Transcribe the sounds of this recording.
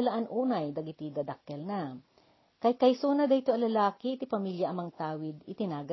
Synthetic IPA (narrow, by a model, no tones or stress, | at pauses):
ɐlaʔanʔuːnɐjd̪ɐɡɪt̪id̪ɐd̪ɐk̚ːɛlna | kɐjkɐjsuːnɐd̪ɐhɪt̪oɐŋlɐlaːkɪʔɪt̪ipɐmiljɐʔɐmɐŋt̪aːwɪd̪ɪt̪ɪnaːɡɐ